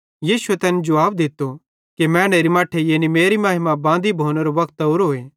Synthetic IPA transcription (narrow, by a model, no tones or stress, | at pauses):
jiːsʊet̪ɛːnd͡ʒʊʋaːbd̪ɪt̪ːo | kemɛ̃ːneːɾimaːʈʰejeːnimeːɾimaːɦɪmabãːnd̪ibʱoːneɾoʋɐkt̪ʊɾɦoːeː